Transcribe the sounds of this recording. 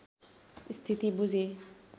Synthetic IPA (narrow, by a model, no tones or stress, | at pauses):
st̪ʰit̪ibud͡ʑʱe